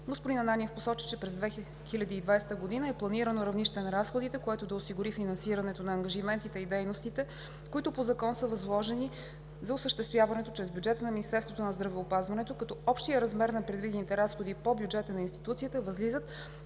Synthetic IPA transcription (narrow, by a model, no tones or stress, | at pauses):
ɡospod̪inɐnaniɛfposɔt͡ʃi̥t͡ʃɛpɾɛzd̪vɛ | xilʲɐd̪iːd̪vajsɛ̥t̪əɡod̪inəɛplˠɐniɾənoɾɐvniʃt̪ɛnɐɾasxod̪it̪ɛkoɛt̪od̪ɐʊsiɡʊɾifinɐnsiɾɐnɛt̪onɐːŋɡɐʒimɛnt̪it̪ɛid̪ɛjnost̪it̪ɛ | koit̪ʊpozɐkɔnsəvɐzlˠɔʒɛni | zɐʊsəʃt̪ɛst̪vʲjavɐnɛt̪ot͡ʃɾɛzbjud͡ʒɛt̪ənɐminist̪ɛɾst̪vot̪onɐzd̪ɾɐvɛopazvɐnɛt̪okɐt̪ɔɔpʃt̪ijəɾɐzmɛɾnɐpɾɛd̪vid̪ɛnit̪ɛɾasxod̪ipobjud͡ʒɛt̪ənɐinst̪it̪ut̪siət̪əvɐzlizət̪